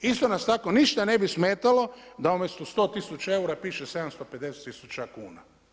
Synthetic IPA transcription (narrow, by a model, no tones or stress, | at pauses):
ist̪o̞nast̪ako̞niʃt̪ane̞bismeːt̪alo̞d̪aumʲjest̪ust̪o̞ːt̪isut͡ʃae̞uɾapiːʃese̞d̪amst̪oped̪e̞set̪ːisut͡ʃakuːna̰